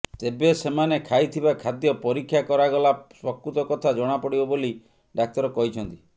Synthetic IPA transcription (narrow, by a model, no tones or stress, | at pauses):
t̪ebesemanekʰajt̪ʰibakʰad̪jɔpɔɾikʰːjakɔɾaɡɔlasɔkut̪ɔkɔt̪ʰad͡ʒɔɽ̃apɔɽibɔboli | ɖak̚t̪ɔɾɔkɔɦit͡ʃʰɔnt̪i̥